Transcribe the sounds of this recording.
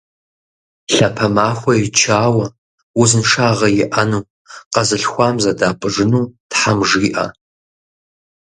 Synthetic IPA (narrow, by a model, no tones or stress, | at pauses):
ɬɐpʰɐmaːxʷɐjɪt͡ʃʰaːwɐ | wʊzɨnʂaːʁɐjɪʔɐnuː | qɐzɨɬxʷɑːmzɐdaːpʼɨʐɨnuːtħamʐiːʔɐ̰